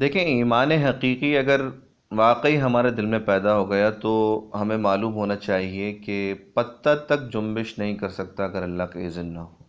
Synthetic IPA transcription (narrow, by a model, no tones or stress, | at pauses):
d̪eːkʰẽiːmaːneɦɐqiːqiɐɡəɾ | ʋaːqəiɦɐmaːɾed̪ɪlmẽpɛːd̪aɦoːɡɐjat̪oɦɐmẽmaːluːmɦoːnat͡ʃaːɦiekepɐt̪ːat̪ɐk̚d͡ʒʊ̃mbɪʃnɐɦĩkɐɾsɐk̚t̪aɐɡəɾɐlːakaeːzɪnːɐɦoː